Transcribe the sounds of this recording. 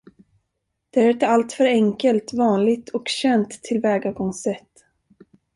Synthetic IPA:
d̪̥ɛæɾɪt̪əalt̪fœɾɛŋkəlt̪vɑːnlɪɡt̪ʰɔkɕɛnt̪ʰːɪlvɛːɡaɾɡɔŋsɛt̪ː

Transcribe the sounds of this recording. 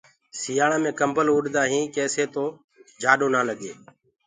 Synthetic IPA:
sɪjaːɳãːmẽːkəmbəluːɗd̪aːɦĩːkɛːseːt̪oː | d͡ʒaːɗõːnaːləɡḛː

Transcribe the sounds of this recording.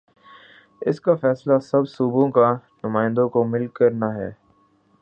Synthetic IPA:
ɪskafɛːslasɐbsuːbõkanʊmãːɪ̃nd̪õkomɪlkːɐɾnaɦɛ̰ː

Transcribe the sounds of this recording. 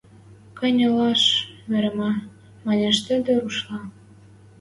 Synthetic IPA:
kɑ̆nʲɤlɑʃmeɾəmɑ | mɑneʃt̪ə̆d̪ĕɾuʃlɑ

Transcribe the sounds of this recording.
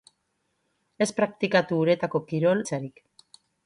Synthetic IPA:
e̞spɾak̚t̪ikat̪uːɾe̞t̪ako̞kiɾo̞lt͡saɾik

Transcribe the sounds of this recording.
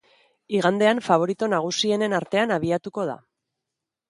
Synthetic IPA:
iɣ̞and̪e̞aɱfaβ̞o̞ɾit̪onaɣ̞usie̞ne̞naɾt̪e̞anaβ̞iat̪uko̞ð̞a̰

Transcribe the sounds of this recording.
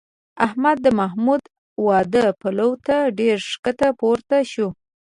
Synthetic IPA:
ahmad̪ːəmaɦmud̪ | wɑd̪əpalawt̪aɖeɾʂkət̪apoɾt̪aʃu

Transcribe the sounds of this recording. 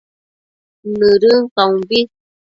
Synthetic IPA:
nɨɾɯŋkaũbi

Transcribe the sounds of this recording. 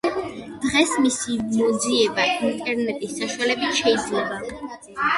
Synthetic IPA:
d̪̥ʁɛsmisimɔd̪ziɛbaint̪ʼɛɾnɛt̪ʼisːaʃwalɛbit̪ʃɛid̪zlɛba

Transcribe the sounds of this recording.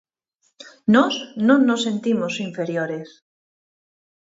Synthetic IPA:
noznõnːosːe̞nt̪imosiɱfe̞ɾjoɾes

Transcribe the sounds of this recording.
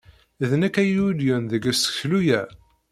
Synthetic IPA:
ðnækæjuljʊnðəɡæsə̥çlujæ

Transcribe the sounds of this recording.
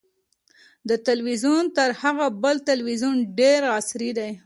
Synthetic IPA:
d̪ət̪alwizunt̪əɾhaɣabəlt̪alwizunɖeɾɑsɾid̪aj

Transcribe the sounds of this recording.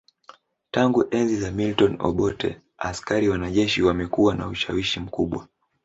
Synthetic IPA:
taŋɡuʔɛnzizamiltɔnɔ̰ɓɔtɛ̰ | askaɾiwanaʄɛʃiwamɛkuwana̰uʃawiʃim̩kuɓwa

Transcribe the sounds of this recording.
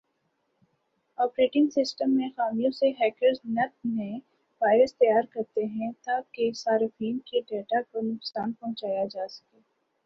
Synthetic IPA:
ɔːpɾeːʈɪ̃ŋɡsɪsʈəmːẽxaːmijõseɦɛːkəɾznɐt̪̚mẽ | baːɪɾəst̪ɐjaːɾkɐɾt̪eɦɛ̃t̪akesaːɾɪfiːnkiɖeːʈakonʊksaːnpɐɦʊ̃t͡ʃaːjad͡ʒaːsɐ̥keː

